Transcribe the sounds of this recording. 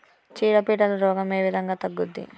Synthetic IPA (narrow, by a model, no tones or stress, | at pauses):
t͡ʃiːɽɐpiːʈɐlɐɾɔːɡɐme̞ːʋid̪ʱɐŋɡaːt̪ɐɡːud̪ːḭ